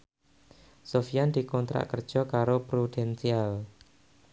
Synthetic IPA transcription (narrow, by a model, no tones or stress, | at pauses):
sofijand̪i̤kɔnt̪ɾa̰ʔkərd̥ʒ̥ɔ̤kaɾopɾud̥ɛnsial